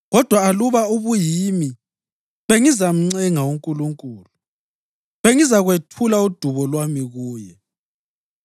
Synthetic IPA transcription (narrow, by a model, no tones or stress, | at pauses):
ɣɔd̥ʱwaːluβauβujimi | βeŋizam̩ŋ͡ǀɛŋawuŋkʼuluŋkʼuːlu | βeŋizaɣwetʰulaud̥ʱuβɔlwamiɣuːjɛ